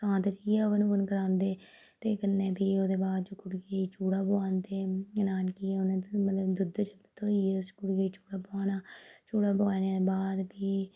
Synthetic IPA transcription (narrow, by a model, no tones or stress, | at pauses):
sãːt̪t͡ʃiːɛːʋenũːənkəɾãːnd̪eː | t̪eːkənːeːpiːoːd̪eːbaːd̪d͡ʒoːkʊɽɡeiːt͡ʃuːɽaːboaːnt̪eːənaːnkiːɛːonãːmət̪ləbd̪ʊd̪t͡ʃəbt̪ːt̪oːiːɛskʊɽɡeːiːt͡ʃuːɽaːboaːnaːt͡ʃuːɽaːbaːnebaːd̪biː